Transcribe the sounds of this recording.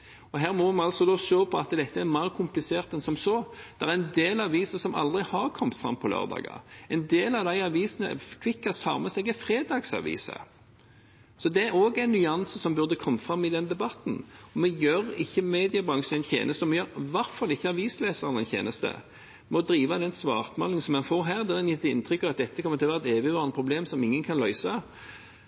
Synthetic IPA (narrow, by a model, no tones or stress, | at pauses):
ɔɦæːʁmɔmɛɑlsɔd̪oʃoːpʰɔɑt̪d̪ɛt̪ʰːəæʁmæːʁkʰʊmplɪseːʁt̪ɛnsɔmsoːd̪̥ɛʁɛɛnd̪eːlɑʋiːsəsɔmɑ̰ld̪ʁɪhɑʁkʰɔmt̪fʁɑ̰mːpʰɔlø̰ːʁd̪ɑ̰ːɡɑ̰ɛɪnd̪eːlɑʋd̪æɪɑʋiːsənə̰kʰʋɪkːɑst̪ʰɑ̰ːʁmɛsɛɡɛfɾeːd̪ɑːɡsɑ̰ʋḭːsə̰ | sɔd̪ɛæɾoːɡæɪnːʏɑnsəsɔmbʉʁd̪əkʰɔmːəfʁɑmːɪd̪ɛnd̪ɛbɑt̪n̩ɔmɛjøɾɪçːəmeːd̪ɪəbʁɑŋʂn̩ɛɪnʰjḛːnəst̪əɔmɛjøʁʋɑɾfɔɾd̪ɪçːəɑʋiːsleːsəʁənɛɪnʰjḛːnəst̪ə̰ | mɔd̪ɾiːʋɑd̪ɛnsʋɑːʁt̪mɑ̰lɪŋənsɔmɛnfoːɾɦæːʁd̪ɛd̪ɛnjɪt̪ːɪnt̪ʰʁʏkːɑʋɑt̪̚d̪ɛt̪ːəkʰɔməʁt̪ʰɪlʋæʁt̪eːʋɪʋɑːʁnəpʰʁʊbleːmsɔmɪŋːənkʰɑnlœʏsɑ